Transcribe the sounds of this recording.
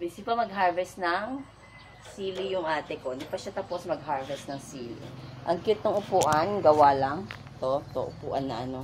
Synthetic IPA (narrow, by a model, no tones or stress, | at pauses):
bɪsɪpɐmɐɡ̚ɦaɹvɛst̪nɐŋ | siːlɪjʊŋʔaːt̪ɛkod̪ɪpɐʃat̪aposmɐɡhaɹvɛst̪̚nɐŋsiːlɪ̰ʔɐŋkɪt̪noŋʔʊpuːʔɐnɡɐwalɐŋ | t̪ot̪o̰ʔʊpṵːʔɐnːɐʔɐno